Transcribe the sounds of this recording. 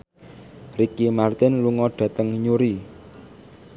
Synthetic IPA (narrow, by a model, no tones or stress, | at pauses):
rikimart̪ɪnluŋɔɖ̥ä̤t̪əŋɲuɾi